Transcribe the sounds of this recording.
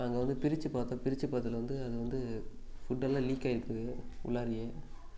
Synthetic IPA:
ɐŋɡɐʋɐnd̪ɯpɪɾɪt͡ʃːɯpaːt̪ɐ̃pɪɾɪt͡ʃːɯpaːɾt̪ːɐlɐʋɐnd̪ɯɐðɯʋɐnd̪ɯ | fʊʈːɐlːãːliːkːaːɪɾɯpːɯʊ̰lːaːɾɪjẽː

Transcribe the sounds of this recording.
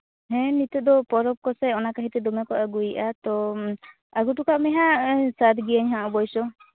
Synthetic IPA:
ɦɛ̃nit̪ɔd̪ɔpɔɾɔp̚kɔsɛɔnakaɦit̪ɛd̪ɔmakɔʔaɡujʔat̪ɔ | aɡuʈukaʔmɛɦasat̪ɡijaɲɦãʔɔbɔjsɔ

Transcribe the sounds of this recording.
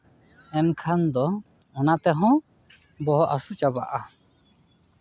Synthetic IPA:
ɛnkʰand̪ɔɔnat̪ɛɦɔ̃ | bɔɦɔʔasut͡ʃaba̰ʔa

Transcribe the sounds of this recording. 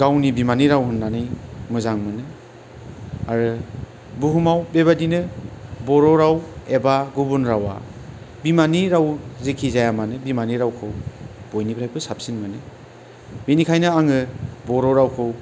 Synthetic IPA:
ɡ̥awnibimaniɾawɦɯnːanɯjmɯzaŋmɯnɯ | aɾɯ | buɦumawbeβadinɯbɔɾɔɾawebaɡubunɾawa̰ | bimaniɾawzekʰizajamanɯbimaniɾawkʰɯwb̥ojnibɾajpʰɯsap̚sinmɯnɯ | benikʰajnɯaŋɯbɔɾɔɾawkʰɯw

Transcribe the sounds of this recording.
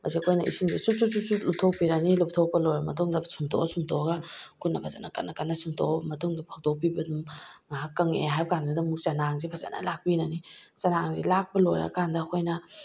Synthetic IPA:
mɐsiɐkʰojnɐʔisimzisusususulup̚tʰok̚piɾanilup̚tʰok̚pɐlojɾɐmɐt̬uŋdɐbsumtʰo̰ɐsumtʰoɐɡɐkʰunɐpʰazanɐkɐtnɐkɐnɐsuŋtʰobɐmɐtuŋdɐpʰak̚dop̬ibɐdumŋakːɐŋḛɦajbɐkanɡɐdɐŋmuk̚t͡ʃɐnaŋzipʰɐza̰nɐ̰lak̚pinanit͡ʃɐnaŋzḭlak̚pɐlojɾɐ̰kandɐːkʰojnɐ

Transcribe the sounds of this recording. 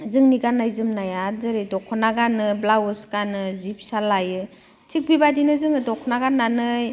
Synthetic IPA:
zɯŋniɡanajzɯmnajadɯɾidɔkʰɔnaɡanɯblawɯskanɯzip̚salajɯ | tʰik̚bibadinɯzɯŋɯdɔkʰɔnaɡanːanɯj

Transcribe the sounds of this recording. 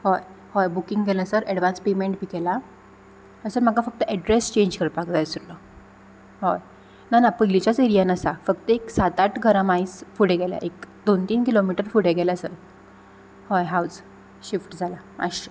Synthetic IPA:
hoj | hojbukiŋɡɡʱɛlasəɾɛɽʋãnspemeɳʈ̚bikɛla | hasəɾm̤əkafək̚t̪əʔɛɖɾest͡ɕẽɲd͡ʑkəɾpakd͡zajsuɾlə | hoj | nanapəlit͡ɕat͡seɾijanəsafəkt̪əeksat̪aʈɡʱəɾamaisfuɽeɡɛlja̰ʔekd̪ont̪iːnkilomiʈəɾfuɽ̤eɡɛlasəɾ | hojɦaws | ɕifʈd͡zʱalamʔa̰ɕə

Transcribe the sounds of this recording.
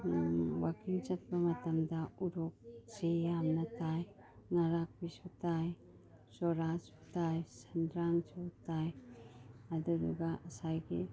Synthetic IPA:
wakiŋt͡ʃɐt̚bɐmɐtamdauɾɔk̚t͡ʃejamnataj | naɾak̚bisutaj | sɔɾasu̥tajsandɾaŋsutaj | aduɾṵɡaʔɐsajɡḭ

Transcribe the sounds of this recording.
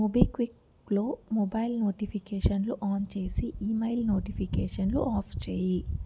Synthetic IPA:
ubikʋik | loːmobɐjlnoːʈipʰikeːʂɐnluʔaːnt͡ʃe̞ːsiʔiːmɐjlnoːʈipʰikeːʂɐnlṵʔaːpʰt͡ʃeːji

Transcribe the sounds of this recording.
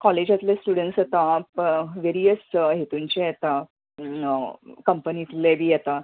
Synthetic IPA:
kɔled͡ʑat̪lesʈuɽəɳʈsat̪ãpʋeɾiəsɦet̪uɲt͡ɕejɛt̪a | kəmpənit̪lebʱiːjɛt̪a

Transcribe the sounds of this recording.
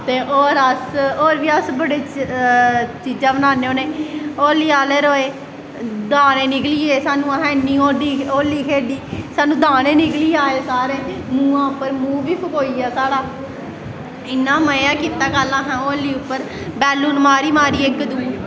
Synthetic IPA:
t̪eːʔoːɾəsoːɾʋiːəsbəɽeː | t͡ʃiːd͡ʒãːbənaːneːoːneːoːliːaːleːɾoːeː | d̪aːneːnɪkliːeːsaːnũːɦɛ̃ːɪnːiːoːd̪iːoːliːkʰeːɖiːsaːnũːd̪aːneːnɪkliːaːeːsaːɾeːmũːãːʊpːəɾmũːʋiːpʰəkoːiːaːsaːɽaː | ɪnːãːməjaːkiːt̪aːɡəlːãːɦɛ̃ːoːliːʊpːəɾ | bɛːlːuːnmaːɾiːmaːɾiːɪkd̪uː

